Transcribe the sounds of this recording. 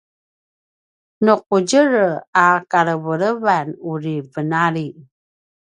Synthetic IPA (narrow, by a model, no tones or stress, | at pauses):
nuq̚uɟəɾakaɾəvəɾəvanuɾivənaɾi